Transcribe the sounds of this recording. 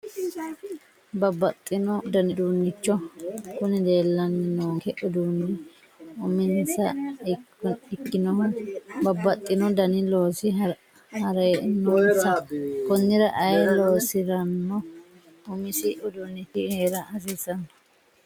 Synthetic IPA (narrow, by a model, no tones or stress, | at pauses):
bɐbːɐt̪ʼːɪnɔd̪ɐnɪd̪uːnːɪt͡ʃːɔkʊnɪd̪e̞ːlːɐnːɪnoːŋkɛʔʊd̪uːnːɪ | ʊmɪnsɐ | ɪkːɪnɔbɐbːɐt̪ʼːɪnɔd̪ɐnɪlo̞ːsɪ | hɐɾenoːnsɐkɔnːɪɾɐʔɐjloːsɪɾɐnːɔ | ʊmɪsɪʔʊd̪unːɪt̪ɪheːɾɐɐs̬iːsɐnɔ̥